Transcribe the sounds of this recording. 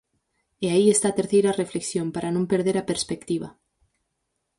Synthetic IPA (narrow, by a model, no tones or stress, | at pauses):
eaiest̪at̪eɾθejɾarefleksjompaɾʔanõmpeɾð̞eɾapeɾspekt̪iβ̞a̰